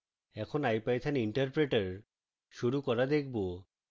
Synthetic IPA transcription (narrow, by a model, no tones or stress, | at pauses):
ɛkʰonajpajt͡ɕʰaniɳʈaɾpɾeʈaɾ | ʃuɾukɔɾad̪ek̚ʰbo